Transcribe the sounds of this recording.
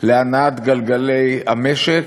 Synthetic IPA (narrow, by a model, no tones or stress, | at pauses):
leanat̪ɡalɡalejameʃek